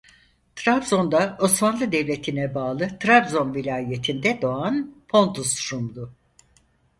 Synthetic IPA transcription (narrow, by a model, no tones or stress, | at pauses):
t̪ʰɾabzo̞nd̪ao̞smanlˠɯd̪evlʲe̞t̪ʰinɛbaːlˠɯt̪ʰɾabzo̞nvilʲaːje̞t̪ʰind̪ɛd̪o̞anpʰo̞nt̪ust̪ɾumd̪ʊ